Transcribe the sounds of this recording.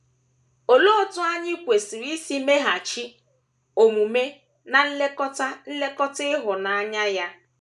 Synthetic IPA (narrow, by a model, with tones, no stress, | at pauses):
o˨lo˦˨tʊ˦a˦ɲɪ˦kʷe˨si˨ɾi˦si˦me˦ɦa˨t͡ʃi˦ | o˨ŋu˨me˦ | na˨n̩˦le˦kɔ˦ta˦n̩˦le˦kɔ˦tɪ˦ɦʊ˨na˨a˦ɲa˦ja˦